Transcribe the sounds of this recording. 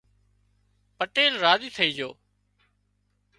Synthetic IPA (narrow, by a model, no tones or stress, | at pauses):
pəʈeːlɾaːziːt̪ʰəiːd͡ʒoː